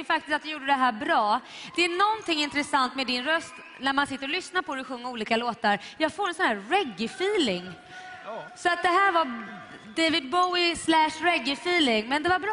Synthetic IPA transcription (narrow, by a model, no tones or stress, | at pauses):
fakt̪ɪst̪at̪d̪ɛjuːɖəd̪ɛɦæːɾbɾɑːd̪̥ɛænɔnt̪ʰɪŋːɪnt̪ɾɛsant̪mɛd̪ɪnɾœst̪ | næɾmansɪt̪ːəɾɔlʏsnaɾpʰɔɾɛɧɵŋːəɾuːliːkaloːt̪aɾjɑːɡfoːɾɛnsɔnhæːɾɛɡɪfiːlɪŋ | sɔat̪̚d̪ɛɦæːɾva | d̪evɪd̪̚bɔwɪslæʂɾɛɡːɪfiːlɪŋmɛnd̪ɛvaɾbɾ